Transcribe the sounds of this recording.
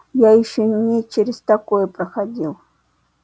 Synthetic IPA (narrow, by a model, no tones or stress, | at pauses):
jajʃɪŋnɪt͡ʃɪɾɪst̪akojpɾaxadʲil